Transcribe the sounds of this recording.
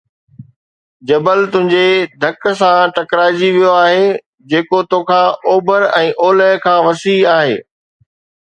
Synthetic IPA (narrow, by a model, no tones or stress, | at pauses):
d͡ʑɐbəlt̪ʊ̃ɦɪ̃ɲd͡ʑed̪ʱɐksãʈɐkɾaːɪd͡ʑiʋijoaːɦe | d͡ʑeːkot̪õːkʰãːoːbʱəɾɛ̃ːʔoːləɦkʰãːʋɐsiːaːɦḛː